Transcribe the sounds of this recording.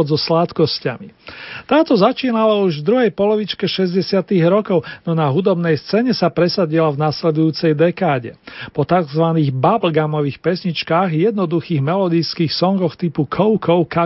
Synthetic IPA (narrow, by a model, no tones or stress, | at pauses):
ɔd̪zɔslat̪kɔsca̰mit̪aːt̪ɔzat͡ʃiːnalauʒvd̪ɾuɦɛjpɔlɔʋit͡ʃkɛʃɛzɟɛsɪat̪iɣɾɔkɔʊnɔnaɦud̪ɔbnɛjst͡sɛːɲɛsapɾɛsaɟilavnaslɛd̪ujuːt͡sɛjd̪ɛkaːɟɛpɔt̪aɡzʋaniːɣbablɡamɔʋiːxpɛsɲit͡ʃkaːɣjɛd̪nɔd̪uxiːɣmɛlɔd̪ijskiːxsɔŋɡɔxt̪ipukʰɔʊkʰɔʊka